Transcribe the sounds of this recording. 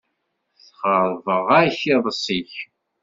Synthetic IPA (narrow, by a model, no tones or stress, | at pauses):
θχəɾˤvəʁaçiðˤsˤiç